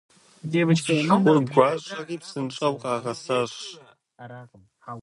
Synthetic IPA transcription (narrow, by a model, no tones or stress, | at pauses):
debɨt͡ʃwʊrɡʷaːɕʼɐʁiːpsɨnt͡ʃʼɐwqʼɑːʁɐsaɕ